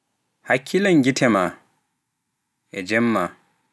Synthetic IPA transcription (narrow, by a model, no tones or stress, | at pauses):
hakʰːilaŋɡitʰɛma | ɛd͡ʒɛmːa